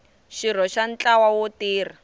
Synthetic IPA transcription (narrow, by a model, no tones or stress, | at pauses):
ʃiɾ̤ɔʃant͡ɬawawotiːr̤a